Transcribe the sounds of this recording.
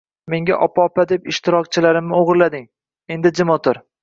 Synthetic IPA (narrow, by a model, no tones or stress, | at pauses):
me̞ŋɡʲa̰ʔɒpʰaɒpad̪e̞pɪʃt̪ʰɪɾɒk̚ʲt͡ʃʰɪlaɾɪmnɪoʁɨɾlad̪ɪŋ | e̞nd̪ɪd͡ʒɪmɒt̪ʰʊɾ